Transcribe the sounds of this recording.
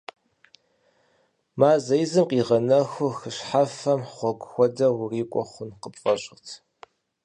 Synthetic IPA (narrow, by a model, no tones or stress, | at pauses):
maːzɐjzɨmqʼiːʁɐnɐxʷʊxɨɕħafɐmχʷɔɡʷxʷɔdɐwʊriːkʷʼɔχʷʊnqəpʼfʼɐɕʼɪrtʰ